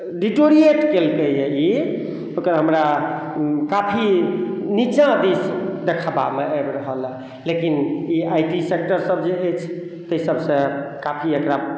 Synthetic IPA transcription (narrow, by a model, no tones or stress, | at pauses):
ɖiʈoɾieʈkelk̪ejei | okəɾɦəmɾa | kapʰinit͡ʃãd̪esd̪ekʰaba̰meəbɾəɦəl | lekiniajʈisek̚ʈəɾsəbd͡ʒeɦet͡ʃʰ | t̪əjsəbsẽkapʰiekɾa